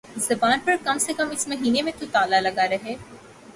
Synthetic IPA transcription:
zɐbaːnpɐɾkɐmsekɐmɪsmɐɦiːnemẽt̪ut̪aːlalɐɡaɾɐɦeː

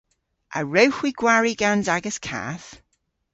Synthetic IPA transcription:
ʔə̰ɹəwxwiɡ̥waɹiɡanzaɡəskʰa̰θ

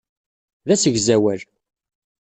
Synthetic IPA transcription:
ðæsəʝzæwæl

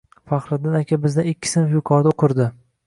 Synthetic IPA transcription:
fɑχɾɪd̪ɪnakʲʰabɪzd̪anɪkʲʰːɪ̥sɪnɪfjʊqʰɒɾd̪aoqʰɨɾd̪ɪ

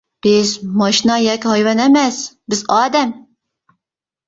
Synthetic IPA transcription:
b̥ɪzmɑʃinɑjɛkʲhɑjvɛnɛmɛsbɪzɑːd̪ɛm

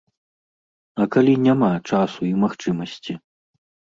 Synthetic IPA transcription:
ɐkalʲinʲamat͡ʂasuimaxt͡ʂɨmɐsʲt͡sʲi

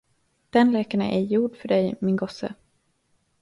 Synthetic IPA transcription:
d̪̥ɛnlɛːkaɳə̰ʔæjuːɖfœɖɛjmɪnɡɔsə̰

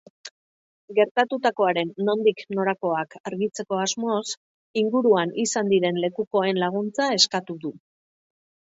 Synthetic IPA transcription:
ɡe̞ɾt̪at̪ut̪ako̞aɾe̞nːo̞nd̪ikno̞ɾako̞akaɾɣit͡se̞ko̞azmo̞s | iŋɡuɾuanisand̪iɾe̞nle̞kuko̞e̞nlaɣ̞unt͡sae̞skat̪uðu

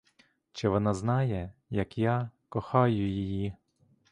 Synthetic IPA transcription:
t͡ʃɪʋɔnɑznɑjɛjɐkjɑkɔxɑjʊjiji

